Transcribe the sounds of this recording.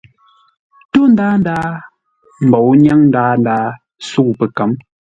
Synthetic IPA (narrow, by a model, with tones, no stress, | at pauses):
to˦n˦daː˦n˦daː˦ | m̩˨bɔ˨wɲa˦ŋn̩˦daː˦n˦daː˦ | su˦˨pə˨ka˨˦m